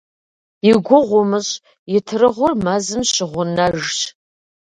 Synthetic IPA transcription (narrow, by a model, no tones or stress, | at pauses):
jɪɡʷʊʁʷʊmɨɕʼ | jɪtʰrɨʁʷʊrmazɨmɕɪʁʷʊnaʒɕ